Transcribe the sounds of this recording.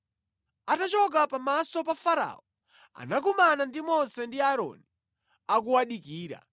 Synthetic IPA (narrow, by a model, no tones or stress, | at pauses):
atat͡ʃɔk̬apamasɔpafaɾa̰ɔ | a̰nak̬umanandimɔnsɛndiaɾɔ̰ni | ak̬uwaɗikiːɾa̰